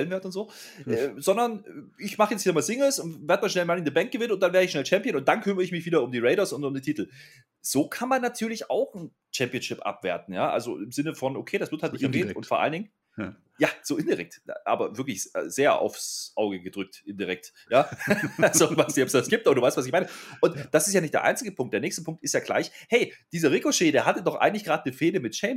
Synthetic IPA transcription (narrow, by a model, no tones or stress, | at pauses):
ɛlənvɛɐtʊntz̥oː | ɛːzɔndɐnɪçmaχəjɛt͡sthiːɐmaːlz̥ɪŋəl̩sʊntveɐdmaːʃnɛlmalɪndəbɛŋk̚ɡ̥əvɪnənʊnt̚d̥anveːɐəɪçʃnɛlt͡ʃɛmpiənʊnt̚d̥ankʰʏməʁəɪçmɪçv̥iːdɐʊmdiːʁeɪɾɐsʊntʊmdiːtʰiːtl̩ | z̥oːkʰanmanːatʰyːɐlɪça̰ʊxn̩ | t͡ʃɛmpiənʃɪpʔa̰pv̥ḛːɐtn̩jaːʔa̰lzo̰ʔɪmzɪnəfɔnʔokʰeːdasv̥ɪɐthaltnɪçtɛɐɡeːʊ̰ntfoːɐʔa̰ləndɪŋ | jaːz̥oːɪndiʁɛ̰k̚tʔa̰ːbɐvɪɐklɪçɛ̰ːz̥eːɐʔa̰ʊfsʔaʊɡəɡədʁʏk̚tʔɪndiʁɛk̚t | jaːalzovaɪstɪçɔpsd̥asɡ̥iːp̚tʔobɐduvaɪstv̥as̬ɪçmaɪnəʔʊntd̥asɪstjaːnɪçtd̥eɐʔa̰ɪnt͡sɪɡəpʰʊŋk̚td̥eːɐnɛːçstəpʰʊŋktɪstjaːɡla̰ɪçhɛɪd̥iːzɐʁɪkoʃeːdeːɐɦatədɔχʔa̰ɪɡŋ̩tlɪçɡ̥ʁaːdnəfeːdəmɪtʃɛm